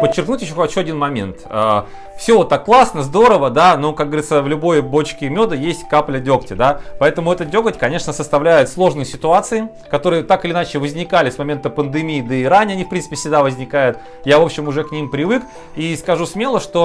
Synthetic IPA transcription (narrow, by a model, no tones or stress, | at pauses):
pət͡ɕːɪrknutʲjɪɕːoxɐt͡ɕuɐdʲinmɐmʲe̞̰nt̪ə | fsʲovot̪ːakːlˠasnəzd̪o̞ɾəvəd̪anokak̚ɡəvəɾʲit̪səvlʲʊbo̞jbo̞t͡ɕkʲɪmʲod̪əjesʲtʲkaplʲədʲo̞ktʲɪd̪apɐɛt̪əmʊɛt̪ədʲo̞ɡətʲkɐnʲe̞ʂnəsəst̪ɐvlʲæjʊt̪slˠo̞ʐnɨjsʲɪt̪ʊat̪sɨɪ | kɐt̪o̞ɾɨjət̪akɨlʲɪnat͡ɕɪvəzʲnʲɪkalʲɪsmɐmʲe̞nt̪əpənd̪ɨmʲiːd̪əiɾanʲɪɐnʲifpɾʲint̪ɨpʲɪfsʲɪɡd̪avəzʲnʲɪkajʊt̪ | javo̞pɕɪmʊʐɛknʲimpɾʲɪvɨk | iskɐʐusmʲe̞lˠəʂt̪o̞